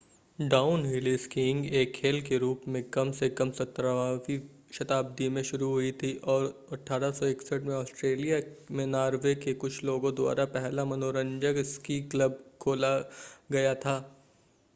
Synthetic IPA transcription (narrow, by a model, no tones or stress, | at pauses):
ɖaːʊnɦɪliskɪ̃ŋɡeːkʰːeːlkeɾuːpmẽkɐmsekɐmsɐt̪ːɾaʋaːʋi | ʃɐt̪aːb̚d̪imẽʃʊɾuɦʊit̪ʰiʔɔːɾɐʈʰːaːɾasɔɪksəʈmẽɔːsʈɾeːlijamẽnaːɾʋekekʊt͡ʃʰloːɡõd̪wa̰ːɾapɛɦlamɐnoːɾə̃ɲd͡ʒəɡskiːkləb̚kʰoːlaɡɐjat̪ʰaː